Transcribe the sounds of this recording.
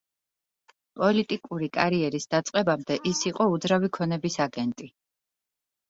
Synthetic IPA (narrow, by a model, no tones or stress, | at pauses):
pʼɔlit̪ʼikʼuɾikʼaɾiɛɾisd̪at̪sʼqʼɛbamd̪ɛʔisiqʼɔud̪zɾavikʰɔnɛbisaɡɛnt̪ʼi